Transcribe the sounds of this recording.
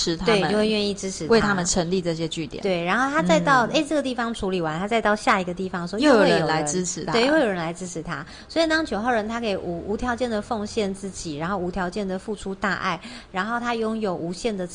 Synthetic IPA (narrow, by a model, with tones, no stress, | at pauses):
ɻ̩˧˥t̪ʰwe˥˧t͡ɕə˨jo˥˧we˥˧ɪɥɛ˥˧ni˥˩ʈ͡ʂɻ̩˥ʈ͡ʂʰɻ̩˧˥twe˥˩ɪt̪ʰa˦˥mə˨nʈ͡ʂʰə˧˥ŋli˥˧ʈ͡ʂɤ˥˩ɕ̬jɛ˦t͡ɕy˥˩t̪jɛ̰˨˩t̪we˥˩ɪɻa˧˥nxo˥˩ʊt̪ʰa˥t͡sa˥˧ɪt̪ɑ˥˧ʊe˥ɪʈ͡ʂɤ˥˩ɡə˩t̪i˥˩ɑ˨˥ŋʈ͡ʂʰu˧˥li˨˩wa˧˦nt̪ʰa˥t͡sa˥˧ɪt̪ɑ˥˧ʊɕja˥˩i˧˥ɡə˧t̪i˥˩fɑ˨˦ŋʂwɔ˥jo˥˧je˥˩ə˨˧jo˨˦la˩˧˦ɪ˩əʈ͡ʂɻ̩ʰ˥ɻ̩˧˥t̪ʰe˥˧˥o˥˧˥jo˨˩ɻə˧˦nla˧˥ɪʈ͡ʂɻ̩˥ʈ͡ʂ̩ʰ˧˥t̪ʰa˥ | swɔ˧˥i˨˩t̪ɑ˥ŋt͡ɕʰjo˧˥ʊxɑ˥˩ʊɻə˧˥nt̪ʰa˥ke˨˩ɪʔu˧˥u˧˥t̪ʰjɑ˧˥ʊt͡ɕjɛ˥˩nd̪ə˩fo˥˧ŋɕjɛ˥˧nt͡sɹ̩˥˩t͡ɕi˨˩ɻa˧˥nxo˥˩ʊu˧˥t̪ʰjɑ˧˥ʊt͡ɕjɛ˥˩nd̪ə˨˩fu˥˩ʈ͡ʂʰu˥t̪a˥˧ʔa̰˥˩ɪɻa˧˥nxo˥˩ʊt̪ʰa˥jʊ˥ŋjo˨˩ʊʔu˧˥ɕjɛ˥˩nd̪ə˩